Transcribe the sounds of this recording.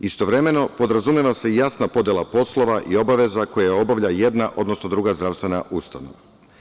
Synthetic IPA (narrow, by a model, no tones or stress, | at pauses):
ist̪o̞ʋɾe̞me̞no̞po̞d̪ɾazumjeʋase̞jasnapo̞d̪jelˠapo̞slˠo̞ʋaʔio̞baʋe̞zako̞jao̞baʋʎaje̞d̪naʔo̞d̪no̞sno̞d̪ɾuːɡazd̪ɾavst̪ve̞naʔust̪ano̰ʋa